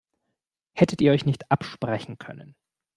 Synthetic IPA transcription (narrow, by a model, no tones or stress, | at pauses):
hɛtʰətiːɐɔʏçnɪçtʔapʃpʁ̥ɛçn̩kʰœ̰nən